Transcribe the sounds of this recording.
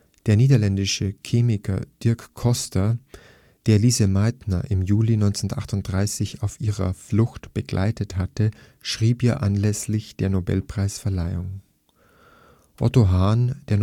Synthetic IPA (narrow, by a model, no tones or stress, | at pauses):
d̥eːɐniːdɐlɛndɪʃəkʰeːmɪkʰɐ̰d̥ɪɐkʰːɔstɐ | d̥eːɐliːzəmaɪtnɐ̰ʔɪmjuːlinɔʏnt͡sentʔa̰χtʊnt̚d̥ʁaɪsɪçaʊfʔiːʁɐ̰flʊxtb̥əɡlʔa̰ɪtəthatə | ʃʁ̥iːpʔiːɐʔa̰nlɛslɪçd̥eːɐnobɛ̰lpʁ̥aɪsfɛɐlaɪʊŋ | ʔɔ̰toɦaːnd̥eːɐn